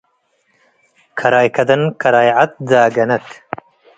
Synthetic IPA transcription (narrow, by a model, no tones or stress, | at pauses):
kʰɐɾaːjkʰɐd̪ɐnkʰɐɾaːjʕat̪̚d͡zaːɡɐnɐt̪